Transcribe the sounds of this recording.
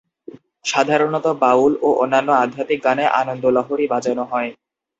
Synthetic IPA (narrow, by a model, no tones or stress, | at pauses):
ʃad̪ʱaɾonɔt̪obauloʔonːanːoad̪ʱat̪ik̚ɡaneʔa̰nond̪olɔɦoɾibad͡ʑanoɦɔe